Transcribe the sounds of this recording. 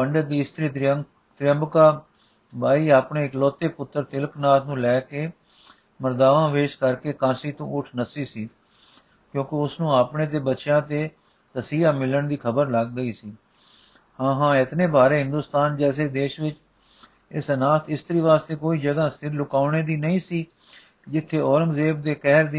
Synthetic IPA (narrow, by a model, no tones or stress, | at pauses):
pəɳɖəd̪iːɪst̪əɾiː | t̪ɾɪjəmbkaː | baːiːaːpɳeːɪklɔːt̪eːpʊt̪ːəɾt̪ɪləknaːt̪ʰnũːlɛːkeː | məɾd̪aːʋãːʋeːʃkəɾkeːkãːsiːt̪õːʊʈʰnəsiːsiː | kjõːkɪʊsnũːaːpɳeːt̪̬eːbətːʃjãːt̪eː | t̪əsiːaːmɪləɳd̪iːkʰəbəɾləɡːəiːsiː | hãːɦãːɪt̪nẽːbaːɾeːɦɪ̃nd̪uːst̪aːnd͡ʒɛːseːd̪eːʃʋɪt͡ʃ | ɪsənaːt̪ʰɪst̪əɾiːʋaːst̪eːkoːiːd͡ʒəɡaːst̪ɪɾlʊkaːʊneːd̪iːnəĩːsiː | d͡ʒɪt̪ʰːeːɔːɾə̃ŋɡzeːp̚d̪eːkɛːɾd̪iː